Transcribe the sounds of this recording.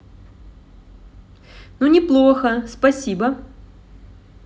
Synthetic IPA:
nunʲɪplˠoxəspɐsʲibɐ

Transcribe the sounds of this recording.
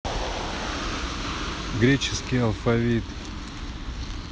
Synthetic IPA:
ɡɾʲet͡ɕɪskʲijɐlˠfɐvʲit̪

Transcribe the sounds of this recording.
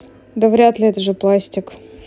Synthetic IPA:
d̪əvɾʲæt̪lʲɪɛt̪əʐɨplˠasʲtʲɪk

